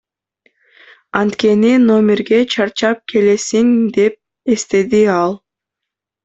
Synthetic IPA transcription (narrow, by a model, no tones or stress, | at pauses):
ɑnt̪ke̞nino̞mʲɪɾɡe̞t͡ʃʰɑɾt͡ʃɑp̚kʰe̞le̞siŋd̪e̞p̚ | e̞st̪e̞d̪iɑlˠ